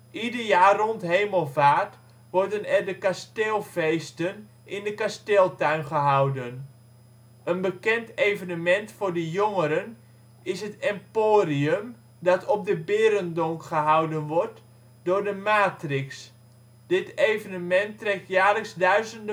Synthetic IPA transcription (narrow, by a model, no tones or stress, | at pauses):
ʔidərjaːrɔntɦejməlˠvaːt | ʋɔrdənɛrdəkasteːlˠvejstən | ʔɪndəkasteːlˠtœɥnχəɦawdən | ʔənbəkɛntejvənəmɛntfʊːrdəjoŋəɾən | ɪsɦətɛmpoːriəm | dɑtʰɔp̚dəbɪːɾəndɔŋkχəɦawdənʋɔrt | dʊːrdəmaːtrɪks | d̥ɪtejvənəmɛntrɛk̚tjaːləksdœɥzəndə